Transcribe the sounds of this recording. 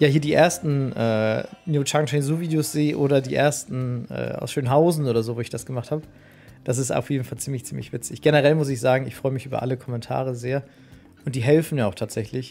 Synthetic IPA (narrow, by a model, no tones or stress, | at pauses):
jaːhiːɐdiːʔeːɐstn̩ʔɛːnjuːt͡ʃaŋt͡ʃɛɪnzuːviːdejosz̥eːʔoːɾɐdiːʔḛːɐstn̩ɛ̰ːʔa̰ʊsʃøːnɦaʊzn̩ʔoːɾɐzoːvoːɪçd̥asɡ̥əmaχthaːbə | d̥as̬ɪsta̰ʊfjeːdn̩falt͡siːmlɪçt͡siːmlɪ̰çv̥ɪt͡sɪçɡ̥ɛnəʁɛlmʊs̬ɪçz̥aːɡŋ̩ɪçfʁ̥ɔʏəmɪçʔyːbɐ̰ʔa̰ləkʰɔmɛntʰa̰ːʁ̞əzeːɐ | ʔʊnt̚d̥iːɦɛlfn̩jaːaʊxtʰaːtz̥ɛçlɪç